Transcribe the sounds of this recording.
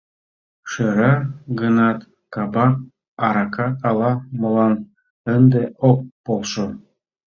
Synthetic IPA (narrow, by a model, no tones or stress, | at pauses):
ʃɤ̆ɾɑɡɤ̆nɑt̪ | kɑbɑk̚ | ɑɾɑkɑkɑlˠɑmɤ̆lˠɑn | ənd̪eʔok̚polˠʃo